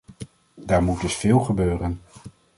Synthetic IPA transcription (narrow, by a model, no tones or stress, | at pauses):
daːɹmut̚dɵsfɪːlˠχəbøːrən